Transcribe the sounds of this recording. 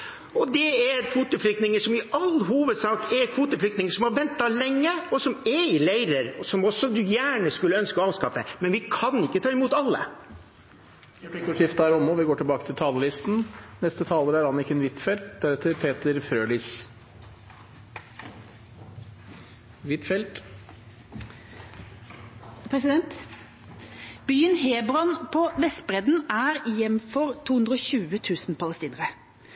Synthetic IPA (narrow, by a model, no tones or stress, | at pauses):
ɔd̪ɛæɾkʰʋuːt̪əflʏk̚t̪nɪŋəʂɔmɪʔɑlːɦuːʋəd̪sɑːkɛɾkʰʋuːt̪əflʏkt̪nɪŋəʂɔmhɑɾʋɛnt̪ːɑlɛŋːəɔsɔmɛɪlæɪɾəɾɔsɔmɔsɔd̪ʉjæːɳəskʉlːəœnskəɔɑːʋskɑfə̰mɛnʋɪkʰɑnɪkːət̪ʰɑːɪmuːt̪ɑlːə̰ | ɾɛpɪkːɔʂɪft̪əhæːɾɔmɔʋɪɡoːʈʰɪlbɑːkət̪ʰɪlt̪ʰɑːləlɪst̪n̩nɛst̪ət̪ʰɑːləɾæɾhɑnɪkːəɛnʋɪt̪fɛlt̪̚d̪æɾɛt̪ʰːəɾpʰeːt̪əɾfɾøːliːs | ʋɪt̪fɛlt̪ | pʰɾɛsɪd̪ɛnt̪ | byːənheːbɾɔnpʰɔʋɛst̪bʁɛd̪n̩æːɾɪjɛmfɔɾt̪ʰuːhʉnd̪ʁɾəoːçʉːət̪ʰʉːsn̩pʰɑləst̪iːnəɾə